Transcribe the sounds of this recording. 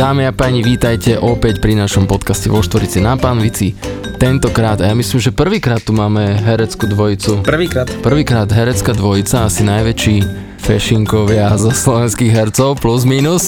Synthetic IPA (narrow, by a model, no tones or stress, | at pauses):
d̪aːmiapaːɲiʋiːt̪ajcɛʔɔpɛcpɾinaʃɔmpɔt̪kascɛʋɔʃt̪ʋɔɾit͡siɛnapanʋit͡si | t̪ɛnt̪ɔkɾaːd̪ajamisliːmʒɛpr̩ʋiːkɾaːt̪ːumaːmɛɦɛɾɛt͡skud̪ʋɔjit͡supr̩ʋiːkɾaːt̪pr̩ʋiːkɾaːd̪ɦɛɾɛt͡skad̪ʋɔjit͡saasinajʋɛt͡ʃiː | fɛʃiŋkɔʋɪazɔslɔʋɛnskiɣɦɛɾt͡sɔʊpluzmiːnus